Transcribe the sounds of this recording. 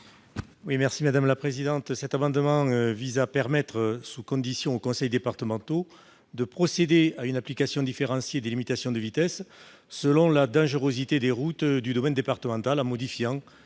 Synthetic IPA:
wimɛʁsimad̪amlapχezid̪ɑ̃t̪sɛt̪amɑ̃d̪əmɑ̃øvizapɛʁmɛt̪χəsukɔ̃d̪isjɔ̃okɔ̃sɛjd̪epaʁt̪əmɑ̃t̪o | d̪əpχɔsed̪eaynaplikasjɔ̃d̪ifeʁɑ̃sjed̪elimit̪asjɔ̃d̪əvit̪ɛsː | əlɔ̃lad̪ɑ̃ʒəʁozit̪ed̪eʁut̪d̪yd̪ɔmɛnd̪epaʁt̪əmɑ̃t̪alãmɔd̪ifjɑ̃

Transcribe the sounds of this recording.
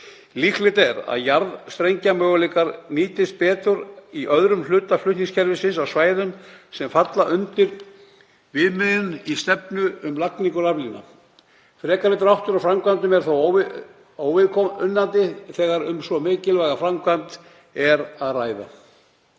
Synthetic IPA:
liklɪt̪ɛɾa̰ðjaɾðst̪ɾejɲcamœːɣʏleːkaɾniːt̪ɪst̪̚pɛːt̪ʏɾiʔœðɾʏmlʏːt̪aflʏh̪niŋscʰɛɾvɪsɪnsawsvaːjðʏmsɛmfat̪laʔʏnt̪ɪɾ | vɪðmɪðʏnist̪ɛpnʏʏmlakniŋkʏɾavlina̰ | fɾɛːkaɾɪt̪ɾawht̪ʏɾawfɾamkvant̪ʏmɛɾ̥θaw | owvɪkʰɔʏnːant̪ɪθɛːɣaɾʏmsvɔmɪːcɪlvajɣafɾamkvant̪ | ɛɾaðraːjða̰

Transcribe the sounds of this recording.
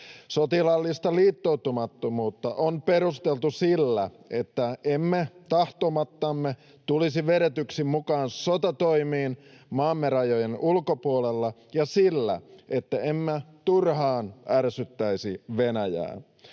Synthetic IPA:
sot̪ilɑlːist̪ɑliːt̪ːout̪umɑt̪ːomuːt̪ːɑʔonpeɾust̪elt̪usilːæ | ʔe̞t̪ːæʔemːet̪ɑht̪omɑt̪ːɑmːe | t̪ulisiʋeɾet̪yksimmukɑːnsot̪ɑt̪o̞imiːnmɑːmːeɾɑjojenulkopuolelːɑjɑsilːæ̰ʔet̪ːæemːet̪urɦɑːnʔærsyt̪ːæisiʋenæjæ̰ːn

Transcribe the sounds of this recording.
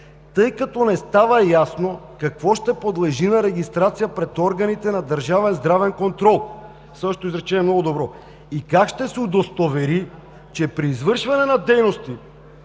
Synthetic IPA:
t̪ɤjkat̪ɔnɛst̪avɐjasnokakvɔʃt̪ɛpod̪lˠɛʒinɐɾɛɡʲist̪ɾat̪sijapɾɛt̪ɔɾɡɐnit̪ɛnad̪əɾʒavɛnzd̪ɾavɛnkont̪ɾɔlˠ | sɤʃt̪oizɾɛt͡ʃɛnɛmnɔɡod̪obɾɔ | ikakʃt̪ɛsɛud̪ost̪ovɛɾi | t͡ʃɛpɾiːzvɤɾʃvɐnɛnɐd̪ɛjnost̪i

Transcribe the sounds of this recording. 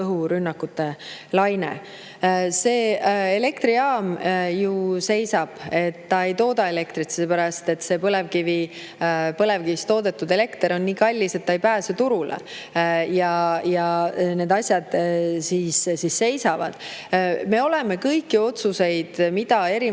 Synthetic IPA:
ɤɦuɾynːɑkːut̪ːe̞lɑjnḛ | se̞ːele̞kt̪ɾiɑːmjuse̞jsɑb̥e̞t̪ːɑe̞jt̪o̞ːd̪ɑe̞le̞kt̪ɾit̪selːepæɾɑst̪e̞t̪se̞pɤle̞vkivi | pɤle̞vkivist̪o̞ːd̪e̞t̪ːud̪e̞le̞kt̪eɾo̞nːiːkɑlʲːise̞t̪ːɑejpæːset̪uɾulḛ | jɑjɑne̞ːd̪ɑsʲjɑd̪̥siːssisːe̞jsɑvɑ̰d̪̥me̞o̞le̞me̞kɤjkːio̞t̪suse̞jd̪̥mid̪̥ɑe̞ɾi

